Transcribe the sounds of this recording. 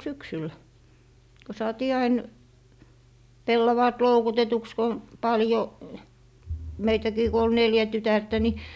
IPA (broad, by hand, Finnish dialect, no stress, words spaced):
syksyl ko sɑːtiː ɑin pelːɑʋɑːt loukutetuks ko pɑljo meitækiː ko ol neljæ tytærtæ ni